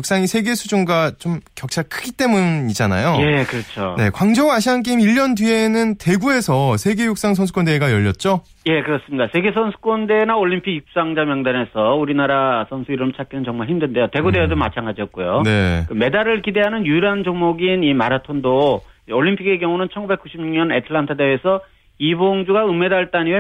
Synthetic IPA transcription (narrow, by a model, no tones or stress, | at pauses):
ok̚s͈aŋisʰe̞ɡe̞sʰud͡ʑuŋɡat͡ɕomkjʌk̚t͡ɕʰaɭkʰɯɡit͈e̞muɲid͡ʑana̰joje̞kɯɾʌt͡ɕʰone̞̰kwaŋd͡ʑʌŋaɕʰiank̬͈imiʎːʌndie̞nɯnte̞ɡue̞sʰʌsʰe̞ɡe̞juk̚s͈aŋs̬ʰʌns̬ʰuk͈ʰondeɡajʌʎːʌt̚t͡ɕ͈o | je̞kɯɾʌs͈ɯmɲidasʰe̞ɡe̞sʰʌnsʰu̥k͈ʌnde̞naoʎːimpʰiɡik̚p̚s͈aŋd͡ʑamjʌŋdane̞sʰʌuɾinaɾasʰʌnsʰuiɾɯɭmt͡ɕʰak͈inɯnt͡ɕʌŋmaɭçʰimdɯnde̞jote̞ɡudeʌdɯmat͡ɕʰaŋɡad͡ʑiʌt̚k͈ujone̞̰kɯme̞daɾɯɭkide̞ɦanɯnjujɾand͡ʑʌŋmoɡinima̰ɾatʰondooʎːimpʰiɡe̞kjʌŋunɯnt͡ɕʰʌnɡube̞k͈uɕʰimɲuŋɲʌnetʰɯɭantʰɯdewesʰʌ | iboŋd͡ʑuɡaɯme̞daɭt͈aɲie